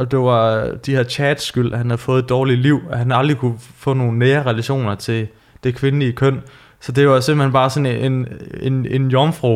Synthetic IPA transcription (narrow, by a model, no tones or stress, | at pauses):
ʔɒ̽d̥e̝ʋɑ̈d̥iheɐ̰t͡ɕʰɛːd̥sɡ̥yl̰hænhæð̩ˠfɔ̽ːð̩ˠed̥ɒːliliʊ̰ɒɦænɑ̈ld̥ʁikʰufɔ̰̽ːno̝ːn̩nːeːɐʁɛlæɕo̝̰ːnɐt͡sʰe̝l | d̥e̝kʰʋe̝nəliəkʰœn̰ | sɒ̽d̥e̝ʋɑ̈s̬e̝m̰b̥l̩he̝nb̥ɑ̈ːsɒ̽neenenenjɒmfʁo